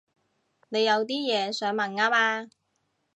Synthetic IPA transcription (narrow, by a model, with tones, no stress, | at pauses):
ne˨˧jɐ˨˧wt̪iː˥jɛː˨˧sœː˨˥ŋmɐ˨˩ŋaː˥maː˧